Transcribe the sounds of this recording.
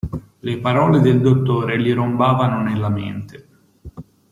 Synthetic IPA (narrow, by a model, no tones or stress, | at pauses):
lepaɾɔːled̪eld̪ot̪ːoːɾeliɾombaːvanonelːam̰ḛnt̪e